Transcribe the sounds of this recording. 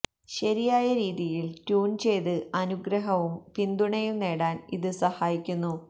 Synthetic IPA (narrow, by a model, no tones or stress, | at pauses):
ɕɐɾijaːjɐɾiːðijiltuːnt͡ɕe̞jðɨɐnuɡɾɐɦɐʋumpind̪uɳɐjumne̞ːɽaːniðɨsɐhaːjikʲːunːu